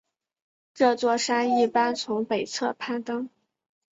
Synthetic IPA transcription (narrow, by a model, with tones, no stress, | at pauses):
ʈ͡ʂɤ˥˧t͡swɔ˥˧˩ʂa˥ni˥˩pa˥nt͡sʰʊ˧˥ŋpe˨˩ɪt͡sʰɤ˥˧pʰa˥˩nt̪ɤ˥ŋ